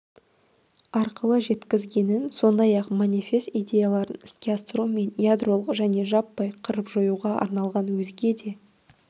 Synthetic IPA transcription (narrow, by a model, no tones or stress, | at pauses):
ɑɾqəlˠəʒe̞t̪kʲɪzɡʲe̞nɪnso̞nd̪ɑjɑqmanʲifʲe̞st̪ijd̪ʲe̞jalˠɑɾə̰nskʲiast̪romːe̞njad̪ro̞lˠəqʒæne̞ʒɑpːɑjqʰəɾəpʒojuʁɑɑ̰ɾnɑlˠʁɑnwɵzɡʲe̞d̪e̞